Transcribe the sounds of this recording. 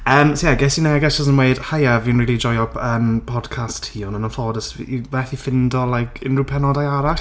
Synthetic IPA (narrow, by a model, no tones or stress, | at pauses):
əːmsojaɡɛsənaaɪɡɛsɔzə̃nʔweɪd̥hajavĩnɹiːlˠid͡ʒɔjɔpʰəːmpʰɔd̥kʰasthiːɔnənənfɔvɔdəsvɛθifɪndɔlajkʰɪ̰̃nɹuːpʰɛnɔdajaɾa